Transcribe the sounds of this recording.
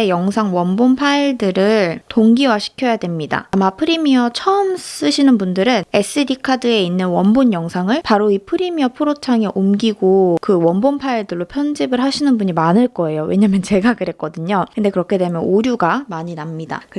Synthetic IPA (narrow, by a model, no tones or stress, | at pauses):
ejʌŋsʰaŋwʌnbompʰaiɭdɯɾɯɭtoŋɡiwaɕʰi̥kʰjʌjadwe̞mɲida̰amapʰɯɾimiʌt͡ɕʰʌɯms͈ɯɕʰinɯnbundɯɾɯne̞s͈ɯdikʰadɯe̞inːɯnwʌnboɲjʌŋsʰaŋɯɭpaɾoipʰɯɾimiʌpʰɯɾot͡ɕʰaŋe̞ʔomɡiɡokɯwʌnbompʰaiɭdɯɭːopʰjʌnd͡ʑibɯɭɦaɕʰinɯnbuɲimanɯɭk͈ʌe̞jowe̞ɲamjʌnt͡ɕe̞ɡakɯɾɦe̞k͈ʌdɯɲokɯnde̞kɯɾʌkʰedwe̞mjʌnoɾjuɡamaɲinamɲida̰kɯ